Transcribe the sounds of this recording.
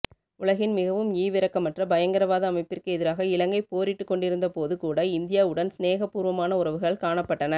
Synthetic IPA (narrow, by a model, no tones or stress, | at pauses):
ʊɭɐɣɪnmɪɣɐʋɯmiːʋɪɾɐkːɐmːɐʈrɐbɐjɐŋɡɐɾɐʋaːðɐːmɐɪpːɪrkɯɛðɪɾaːɣɐɪlɐŋɡɐɪpoːɾɪʈːɯkːɔɳɖɪɾɯnd̪ɐpoːðɯkuːɽɐɪnd̪ɪjaːʊɽɐnsneːɣɐpːuːɾʋɐmaːnɐʊɾɐʋɯɣɐɭkaːɳɐpːɐʈːɐnɐ